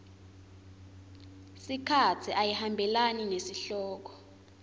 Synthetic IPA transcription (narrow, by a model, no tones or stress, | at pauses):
sikʰat͡sʰiʔajihambʱɛlaninesiɬɔːk̬ʰɔ̥